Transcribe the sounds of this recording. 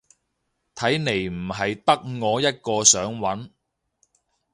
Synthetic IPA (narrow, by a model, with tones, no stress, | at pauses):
t̪ʰɐ˨˥jne˨˩jm̩˨˩ɦɐ˨jt̪ɐ˥k̚ŋɔː˨˧jɐ˥t̚kɔː˧sœː˨˥ŋwɐ˨˥n